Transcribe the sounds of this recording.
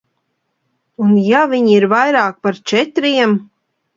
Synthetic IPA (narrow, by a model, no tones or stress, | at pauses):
unjaviɲiɾvajɾaːk̚paɾt͡ʃɛt̪ɾiɛm